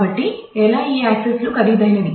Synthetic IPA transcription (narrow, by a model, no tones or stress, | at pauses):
bɐʈːiɛːlaːiːaːkseslukɐɾid̪ɐjnɐd̪i